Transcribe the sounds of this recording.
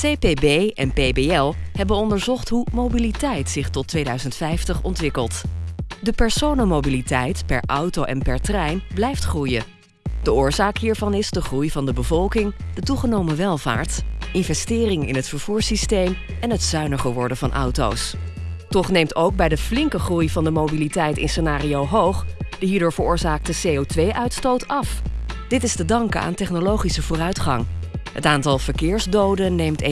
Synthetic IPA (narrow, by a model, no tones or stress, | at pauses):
sejpebejɛ̰npejbeɛlˠɦɛbənɔndəɹzɔχtɦumowbilitɛjtsɪχtɔtʋejdœɥzəntfɛjftəχɔ̰ntʋɪkəlˠtdəpɛɹsownəmowbilitɛjtpɛ̰ɹʔɑwtowʔɛnpɛɹtrɛjnblɛjftχrujə | d̥əʊːɹzaːkɦiːɹvɑnɪzdəχrujvɑndəbəvɔlˠkɪŋd̥ətuχənowməʋɛlˠva̰ːɹtɪnvɛstɪːrɪŋɪ̰nɦətfəɹv̥uːɹsistejm | ɛnɦətsœɥnəχəʋɔɹdənvɑnʔʌ̰wto̰wstɔχnejmtowɡ̚bɛjdəflɪŋkəχrujvɑndəmowbilitɛjtɪ̰nsənaːriowɦowχd̥əɦiːɹdʊːɹvəɹʊːɹzaːk̚təsejotʋejʔœɥtstowtɑfd̥ɪtɪstədɑŋkəa̰ːntɛχnolowχisəvʊːrœɥtχɑ̰ŋɦətaːntɑlˠv̥əɹkɪːɹzdowdənːejmt